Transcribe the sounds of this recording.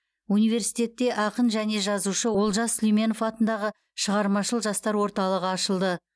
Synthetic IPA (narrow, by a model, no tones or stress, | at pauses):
unijve̞ɾsijt̪e̞t̪ːe̞ʔɑqənʒæne̞ʒɑzuʃəwo̞lˠʒɑsːlʲime̞nofɑt̪ənd̪ɑʁə | ʃəʁɑɾmɑʃəlˠʒɑst̪ɑɾwo̞ɾt̪ɑlˠəʁəɑʃəlˠd̪ə